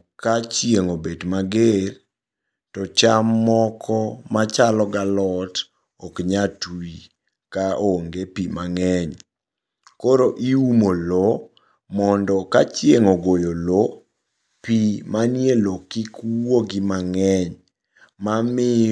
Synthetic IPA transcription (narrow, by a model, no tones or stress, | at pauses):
kat͡ʃjeŋobedmaɡeɾ | tɔt͡ʃamːɔkʰɔmat͡ʃalɔɡalɔt | ɔkɲatwi | kaoŋɡepimaŋɛɲ | koɾoʔiumolo | mɔndɔkat͡ʃjeŋoɡojolo | pimanjelokikwoɡimaŋɛɲ | mamɪ